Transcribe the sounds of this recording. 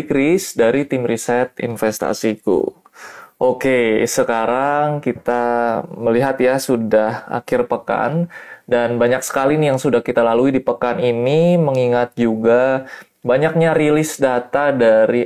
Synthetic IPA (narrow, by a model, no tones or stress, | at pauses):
kɾisdaɾit̪imrisɛt̪ḭnfɛst̪a̰sikṵ | ʔokesəkaɾaŋkit̪aməliɦat̪jasudaha̰kɪrpəka̰ndanbaɲak̚sə̥kalinijaŋsudahkit̪alaluidipəkaniniməŋiŋat̪̚d͡ʒuɡa | baɲak̚ɲaɾilɪsdat̪adaɾi